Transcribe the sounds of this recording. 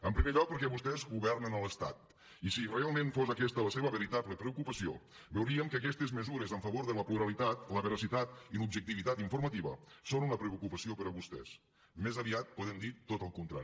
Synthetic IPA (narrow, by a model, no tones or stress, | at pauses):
əmpɾimeʎɔk̚pəɾkɛβust̪ɛzɣuβɛrnənələst̪a̰t̪ | isirealˠmẽnfozəkɛst̪ələseβəβəɾit̪abləpɾəukupəsio̰ | bəwɾiəmkəkɛst̪ezməzuɾezəɱfəβoɾðələpluɾəlit̪at̪ləβəɾəsit̪at̪̚ilubʒək̚t̪iβit̪at̪iɱfuɾmət̪iβə̰sonunəpɾeukupəsiopəɾəβust̪ɛ̰s | mezəβiat̪̚poðemd̪it̪ot̪əlˠkunt̪ɾa̰i